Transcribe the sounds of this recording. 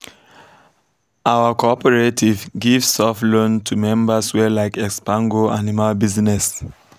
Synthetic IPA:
awəkɔɔpəɹetʰivɡivsːɔflõntʰumɛ̃mbəswɛlaɪkɛkspãŋɡoanimalbiznɛs

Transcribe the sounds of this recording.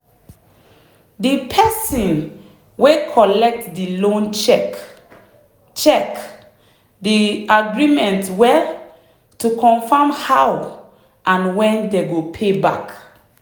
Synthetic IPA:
dipʰɛsɔ̃n | wekʰɔlɛk̚tdilõnt͡ʃɛk | t͡ʃɛk | diaɡɹimɛ̃ntwɛ | tukʰɔ̃nfamhaw | ʔãnwɛ̃ndeɡopʰeba̰k

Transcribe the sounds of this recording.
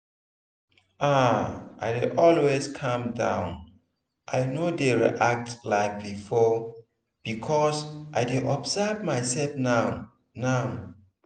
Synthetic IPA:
aʔa̰ɪdeʔɔlweskʰãmdã̰ʊ̃n | ʔajnodeɹḭʔak̚tlaɪk̚bifɔ | b̥ikʰɔsʔajdeʔɔbsɛvmajsɛlfnaʊ | naʊ

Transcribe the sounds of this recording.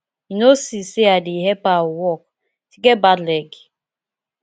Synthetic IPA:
inosisiadɪiɦepawɔk̚ | ti̥ɡebadleɡi

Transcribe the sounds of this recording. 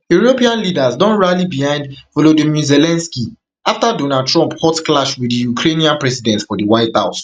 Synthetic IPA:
juɹopiãnlidazdɔ̃nɹalibihãɪ̃ndvolodimizelɛ̃nski | aftadonad̚tʰɹɔ̃mphɔtklaʃwidijukʰɹeniãnpɹɛsidɛ̃ntfɔdəwaɪtha̰ʊs

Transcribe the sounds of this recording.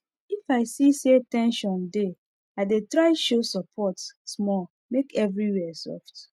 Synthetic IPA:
ifaɪsisetɛ̃nʃɔ̃nde | aɪdetɹaɪʃosɔpʰɔtsmɔ | mekɛvɹiwɛsɔ̰ft

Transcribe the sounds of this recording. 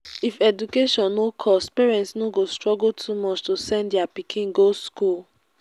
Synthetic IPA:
ifɛdukeʃɔ̃nːokʰɔspɛɹɛ̃ntsnoɡostɹɔɡultʰumɔt͡ʃtosɛ̃ndiapikʰĩnɡoskul

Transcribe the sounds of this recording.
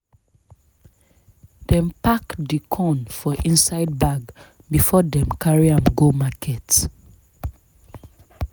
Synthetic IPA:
dɛ̃mpakdikʰɔ̃nfɔʔĩnsaɪd̚baɡ | bifɔdɛ̃mkʰaɹiãmɡomakʰɛt

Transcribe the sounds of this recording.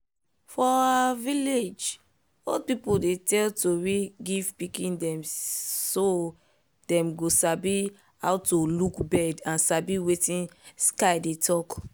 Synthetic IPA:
fɔaviled͡ʒ | ɔlpipudetɛltoɹiɡivpikĩndɛ̃mso | dɛ̃mɡosabi | ha̰ʊtolukbɛdãnsabiwetĩnskaɪdetʰɔk

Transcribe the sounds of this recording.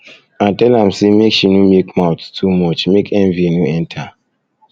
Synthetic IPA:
atɛlãmsemekʃinumekmaʊttʰumɔt͡ʃmekʰɛnvinuɛ̃ntʰa

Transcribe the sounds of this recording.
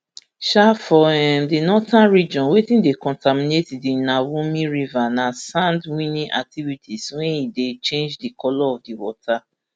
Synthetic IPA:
ʃafɔɛmdinɔtãnɾid͡ʒɔ̃nwetĩndekɔ̃ntamĩnetidinãwũmĩɾivanãsãndwĩnĩʔa̰k̚tivitiswɛ̃idet͡ʃẽnd͡ʒdikɔlɔɔvdiwɔ̰tʰa

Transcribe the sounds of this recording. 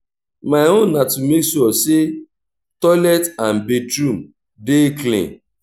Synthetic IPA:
maɪɦonnatumesuɔse | tɔlɛtan̩betɾũm | deklḭ̃n

